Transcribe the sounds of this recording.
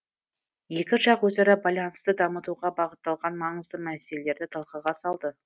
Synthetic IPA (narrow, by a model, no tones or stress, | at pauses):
je̞kʲɪʒɑqwɵzɑɾɑbɑlʲˠɑnst̪əd̪ɑmət̪uʁɑbɑʁət̪ːɑlˠʁɑnmɑɴəzd̪əmæse̞lele̞ɾd̪ɪt̪ʰəlˠqəʁɑsɑlˠd̪ə